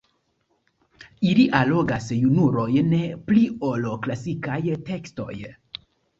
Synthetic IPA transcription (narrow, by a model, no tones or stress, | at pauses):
iliʔalo̞ɡasjunuɾo̞jne̞plioloklasikajte̞ksto̞̰j